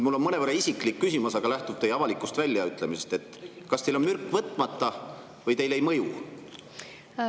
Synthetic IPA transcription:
mulːo̞nmɤne̞vɤɾːɑisʲikˑlikːysimɑsɑɡ̥ɑlæht̪ub̥̚t̪e̞jɑvɑlikːˑust̪vælʲːjɑyt̪ːˑlemise̞st̪e̞t̪ːˑ | kɑst̪e̞jlo̞nmyrkːˑvɤt̪ːˑmɑt̪ˑːɑ | vɤjt̪e̞jle̞jmɤju

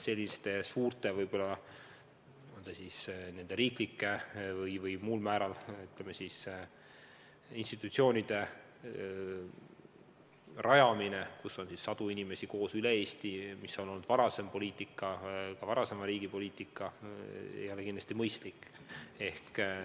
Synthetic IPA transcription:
se̞lʲːist̪e̞suːrt̪e̞vɤjb̥o̞lːɑ | ond̪esisne̞nd̪e̞ɾiːklikːe̞vɯjvɯjmuːlmæːɾɑlyt̪lemesis | inst̪it̪ːˑut̪sio̞ːnʲid̪̥e̞ | rʔɑjɑmine̞kusːo̞nsisːɑd̪̥uinimesiko̞ːsylee̞ːst̪imisːo̞no̞lːnːud̪̥vɑɾɑse̞mpo̞liːt̪ˑikːˑɑkɑvɑɾɑsemɑɾiːɡ̥ipo̞liːt̪ikːˑɑejo̞lekind̪lɑ̥st̪imɤjst̪likˑːe̞hk

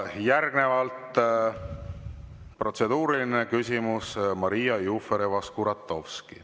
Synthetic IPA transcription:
jærɡ̥ne̞vɑlt̪ˑ | pro̞t̪se̞d̪̥uːɾiline̞kysʲimusmɑɾijɑjufeɾevɑskuɾɑt̪ˑːo̞fski

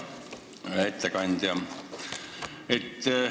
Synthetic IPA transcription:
et̪ːækɑnʲd̪jɑ | et̪ː

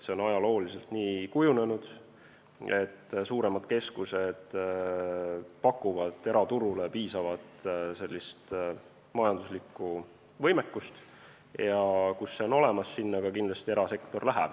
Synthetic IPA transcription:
se̞onɑjɑlo̞ːlise̞lt̪niːkujune̞nud̪̥ | e̞t̪ːsuːɾe̞mɑd̪̥ke̞skuse̞d̪̥ | pɑkːˑuvɑd̪̥e̞ɾɑt̪uɾule̞piːsɑvɑd̪̥se̞lʲːist̪ | mɑjɑnd̪̥uslikːˑu | vɤjmekːust̪ | jɑkusːe̞o̞no̞le̞mɑsːinːɑɡɑkinlɑst̪ie̞ɾɑse̞kt̪o̞rlæɦæ̰b̥

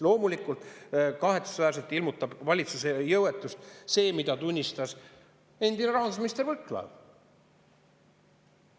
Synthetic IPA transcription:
lo̞ːmulikult̪ˑkɑɦe̞t̪su̥svæːrselt̪ilmut̪ːˑɑb̥vɑlʲit̪susejɤwet̪ːˑust̪se̞ːmid̪ɑt̪unʲːist̪ɑs | e̞nd̪̥ineɾɑɦɑnd̪usminist̪ervɤt̪ːˑlɑ̰v

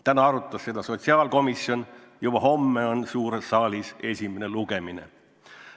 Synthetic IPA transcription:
t̪ænɑɑɾut̪ːˑɑsse̞d̪ɑso̞t̪ʲsiɑːlko̞misjo̞n | jubɑɦo̞mːeo̞nsuːɾesːɑːlʲise̞sʲime̞ne̞luɡ̥e̞minḛ

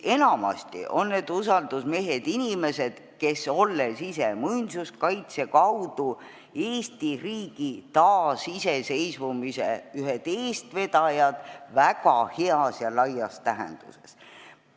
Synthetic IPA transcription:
e̞nɑmɑ̰st̪ḭʔo̞̰nːeːd̪̥usɑld̪̥usme̞ɦed̪̥inʲime̞se̞d̪̥ke̞so̞lːesisemujnsuskɑjt̪se̞kɑwd̪̥u | e̞ːst̪iriːɡ̥it̪ɑːsise̞se̞jsvumisḛyɦed̪̥eːst̪ve̞d̪ɑjɑd̪̥vækɑhe̞ɑsjɑlɑjɑst̪æɦḛnd̪̥ṵse̞̰s

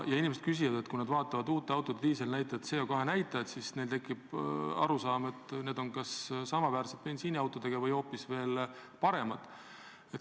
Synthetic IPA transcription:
jɑinimese̥kys̬ivɑd̪e̞t̪kunɑd̪̥vɑːt̪ːˑɑvɑd̪uːt̪ːˑeɑwt̪ːˑod̪eliːselnæjt̪ːˑɑet̪se̞ːjokɑɦe̞næjt̪ːˑɑɑd̪sisne̞lt̪e̞kːˑib̥ɑ̰ɾusɑːme̞t̪ne̞ːd̪o̞nkɑssɑmɑvæːrset̪̚pe̞nsiːniɑwt̪ːˑo̞d̪̥e̞ɡ̥ɑvɤjo̞ːpːisve̞ːlpɑɾe̞mɑd̪̥ | et̪

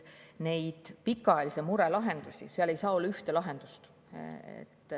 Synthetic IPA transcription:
ne̞jd̪̥pikːɑɑjɑlisemuɾelɑɦe̞nd̪̥usʲḭseɑle̞jsɑːolːɑyht̪e̞lɑɦe̞nd̪̥ust̪ | ḛt̪ːˑ

